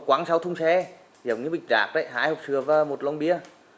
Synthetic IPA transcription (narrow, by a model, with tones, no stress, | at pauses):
kwaː˨˧˦ŋsa˧wt̪ʰʊ˧wŋ͡msɛ˧ | zə˨˩wŋ͡mɲɨ̰˨˧˦ɓi˨˩k̟̚zaː˨˩k̚ɗə̰˧˨jɦa̰ː˧˥jhə˨˩k͡p̚sɨ˧˩əvaː˧˩mo˨˩t̚lɔ˧wŋ͡mɓi˧ə